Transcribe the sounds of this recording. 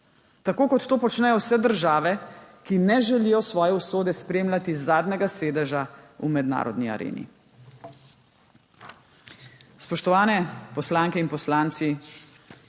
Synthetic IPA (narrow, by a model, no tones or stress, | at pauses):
t̪akoːkɔt̪ːoːpɔt͡ʃnɛjɔwsɛd̪əɾʒaːʋɛkinɛʒɛlijɔsʋɔːjɛusoːd̪ɛspɾeːmlʲat̪izːaːd̪nɛɡaseːd̪ɛʒaumɛd̪na̰ːɾɔ̰d̪nia̰ɾḛːnḭ | spɔʃt̪ɔʋaːnɛpɔslaːŋkɛinpɔslaːnt̪si